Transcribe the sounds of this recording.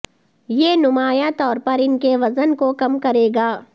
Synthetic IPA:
jeːnʊmaːjat̪ɔːɾpɐɾɪnkeʋɐzənkokɐmkɐɾeːɡaː

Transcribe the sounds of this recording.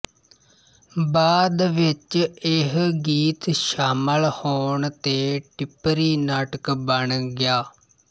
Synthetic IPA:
baːd̪ʋɪt͡ʃɪɦɡiːt̪ʃaːməlhoːɳt̪eːʈɪpɾiːnaːʈəkbəɳɡjaː

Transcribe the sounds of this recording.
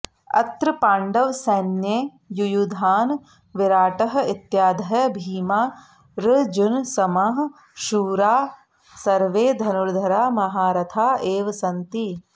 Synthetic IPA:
ɐ̰t̪ɾɨpaːɳɖɐʋsɐnje | jujud̪ʱaːn | ʋɪɾaːʈɐɦɐ̆it̪jaːd̪ʱɐɦɐbʱiːmaː | ɾɨd͡ʒunsɐmaɦ | ʃuːɾaː | sɐɾʋeːd̪ʱɐnuɾd̪ʱɐɾaːmɐɦaːɾɐt̪ʰaːeːʋɐsɐnt̪i

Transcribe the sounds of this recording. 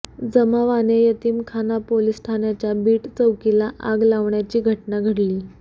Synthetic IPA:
d͡zəmaʋanejət̪iːmkʰanapolisʈʰanjat͡ɕjabiːʈt͡səwkilaʔaɡlaʋɳjat͡ɕiːɡʱəʈnaɡʱəɽliː

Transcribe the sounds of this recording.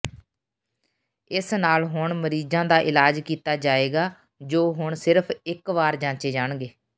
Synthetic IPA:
ɪsnaːlɦʊɳməɾiːzãːd̪aːʔɪlaːd͡ʒkiːt̪aːd͡ʒaːeːɡaː | d͡ʒoːɦʊɳsɪɾpʰɪkʋaːɾd͡ʒãːt͡ʃeːd͡ʒaːɳɡeː

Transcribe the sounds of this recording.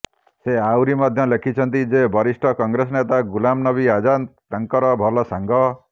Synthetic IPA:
seawɾimɔd̪ʱjɔlekʰit͡ʃʰɔnt̪id͡ʒebʱɔɾisʈʰɔkɔŋɡɾesɔnet̪aɡulamnɔbiad͡ʒantaŋkɔɾɔbʱɔlɔsaŋɡʱɔ

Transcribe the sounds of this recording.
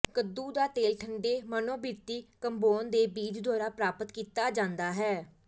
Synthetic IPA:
kəd̪uːd̪aːt̪eːlʈʰəɳɖeːmənõːbiːɾt̪iːkəmboːnd̪eːbiːd͡ʒd̪aːɾaːpɾaːpət̪kiːt̪aːd͡ʒãːnd̪aːɦɛː

